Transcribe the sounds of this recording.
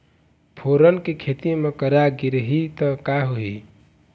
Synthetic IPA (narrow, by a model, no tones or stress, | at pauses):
pʰoɾənkekʰet̪imekəɾaɡiɾɦit̪əkaɦoɦi